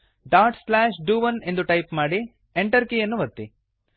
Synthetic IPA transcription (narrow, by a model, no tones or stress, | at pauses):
ɖaːɾʈslaːʃɖuːʋɐne̞nd̪uʈɐjpmaːɽi | eɳʈɐɾkijɐnːuʋɐɾt̪ːi